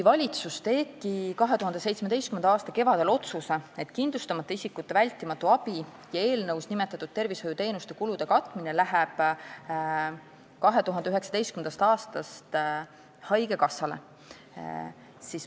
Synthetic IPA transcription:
kuijvɑlʲit̪sust̪e̞ːb̥̚kikɑɦet̪uɦɑnd̪e̞se̞jt̪smed̪e̞jst̪kymend̪ɑɑːst̪ɑke̞vɑd̪̥e̞lo̞t̪susee̞t̪ːˑkind̪lust̪ɑmɑt̪ˑːɑisikːut̪ːe̞vælʲt̪ːˑimɑt̪ːˑuɑb̥i | jɑe̞ːlnɤwsnime̞t̪ːˑɑt̪ːˑud̪̥̚t̪e̞rvisho̞jut̪e̞ːnust̪ekulud̪̥e̞kɑt̪ːˑminelæɦɛb̥ | kɑɦe̞t̪uɦɑneyɦe̞ksɑd̪ejst̪kymend̪ɑst̪ɑːst̪ɑst̪ | hɑjɡe̞kɑsːɑle̞̰ | sis

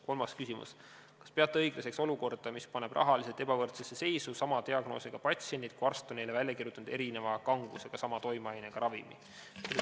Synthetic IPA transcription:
ko̞lmɑskysimṵs | kɑ̥spe̞ɑt̪ːˑeɤjɡ̥lese̞kso̞luko̞rd̪̥ɑmispɑne̞b̥rʔɑ̰ɦɑliset̪ːˑe̞bɑvɤrt̪sese̞se̞jsusɑmɑt̪iɑɡ̥no̞̰ːseɡ̥ɑpɑt̪sienʲit̪kuɑrst̪onelevælʲjːɑkirjut̪ːˑunud̪e̞ɾine̞vɑkɑŋɡ̥useɡ̥ɑsɑmɑt̪o̞jmeɑjneɡ̥ɑɾɑvimḭ

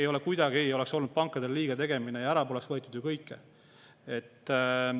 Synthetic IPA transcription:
ejo̞lekujd̪ɑɡijo̞lekso̞lnud̪̥̚pɑŋkːˑɑd̪eliːɡ̥ɑt̪e̞ɡ̥e̞mine̞jɑæɾɑpoːlesvɤet̪ːˑud̪̥jukɤjkˑːḛ | et̪ːˑ

